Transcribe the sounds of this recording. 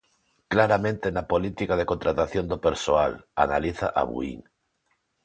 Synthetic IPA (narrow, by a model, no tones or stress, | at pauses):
klaɾamẽnt̪enapolit̪ikað̞eko̞nt̪ɾat̪aθjond̪opeɾsoala̰na̰liθa̰ʔa̰βṵḭn